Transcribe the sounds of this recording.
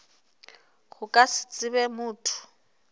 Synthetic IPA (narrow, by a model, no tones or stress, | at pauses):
ɣʊkʼasɪ̥t͡sʼɪβɛmuːtʰu̥